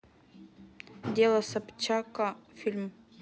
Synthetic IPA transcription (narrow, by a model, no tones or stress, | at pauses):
d̪ʲelˠɐsapt͡ɕakafʲilʲm